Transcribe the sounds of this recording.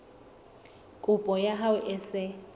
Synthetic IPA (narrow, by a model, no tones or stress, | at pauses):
kʼʊpʼɔjaɦawʊʔɪsɪ